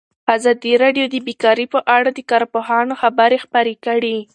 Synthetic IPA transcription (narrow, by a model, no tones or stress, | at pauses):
azɑd̪iɾɑɖjod̪əbikɑɾipəʔaɽad̪əkɑɾpoɦɑnoxabəɾexpaɾekəɽi